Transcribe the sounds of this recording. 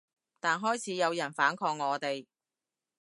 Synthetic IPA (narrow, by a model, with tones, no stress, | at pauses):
t̪aː˨nɦɔː˥jt͡sʰiː˨˥jɐ˨˧wjɐ˨˩nfaː˨˥nkʰɔː˧ŋŋːɔː˨˧t̪e˨j